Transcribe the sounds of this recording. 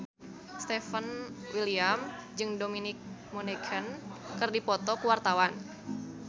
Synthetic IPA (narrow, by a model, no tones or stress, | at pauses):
st̪ɛfənwiliamd͡ʒɨŋdominɪk̚monɛkʰənkɨrdipɔt̪ɔkuwart̪awan